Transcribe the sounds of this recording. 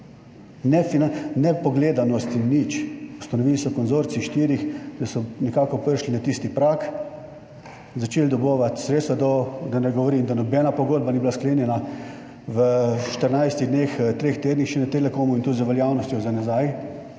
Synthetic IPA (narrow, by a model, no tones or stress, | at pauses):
nɛfinanɛpɔɡleːd̪anɔst̪inːit͡ʃu̥st̪anɔʋilsɔkɔnzoːɾt̪siʃt̪iːɾixd̪asɔnɛkaːkɔpəɾʃlinat̪ist̪ipɾaːk | zat͡ʃeːld̪ɔboʋat̪sɾeːt̪st̪ʋad̪ɔd̪anɛɡɔʋɔɾind̪anɔbɛnapɔɡoːd̪̚banibilaskleːnjɛna | ʋəʃt̪əɾnajst̪iɣd̪next̪ɾeːxt̪eːd̪nixʃɛnɛt̪elɛkoːmuint̪ud̪zɐʋɛljaːwnɔst̪jɔzanazaj